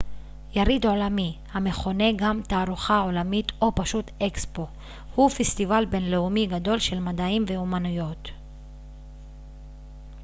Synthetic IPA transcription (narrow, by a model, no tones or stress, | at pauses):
jaʁid̪ʕo̞lamihame̞χo̞ne̞ɡamt̪aːʁuχao̞lamit̪o̞paʃut̪ekspo̞ | hufest̪ivalbe̞nle̞umiɡad̪o̞lʃe̞lmad̪aimve̞umanujo̞t̪